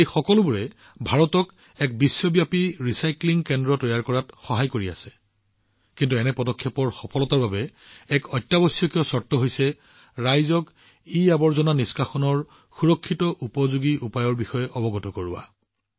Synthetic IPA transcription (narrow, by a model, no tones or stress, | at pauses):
ejxɔkɔlʊbuɹɛ | bʱaɹɔtɔk | ɛk̚bisːɔbjapiɹisajkliŋkɛndɹɔtɔjaɹkɔɹatxɔɦajkoɹia̰sɛ̥ | kintuɛnɛpɔdɔkʰːɛpɔɹxɔpʰɔlɔtaɹbabɛɛkɔjtːabɔsijɔkiɔsɔtːɔɦojsɛ | ɹajzɔk | iabɔɹzɔnaniskaxɔnɔɹ | xuɹɔkʰːitɔʔupɔzuɡiʔupajɔɹbixɔjɛʔɔbɔɡɔtɔkoɹuwa̰